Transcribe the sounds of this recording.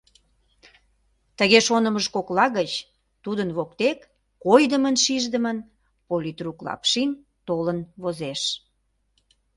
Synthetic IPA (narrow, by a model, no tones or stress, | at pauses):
t̪əɣeʃonəməʃkoklɑɣət͡ɕ | t̪ud̪ənβokt̪ekː | ojd̪əmənʃiʒd̪əmən | polʲit̪ruklɑ̰pʃin | t̪olənβozeʃ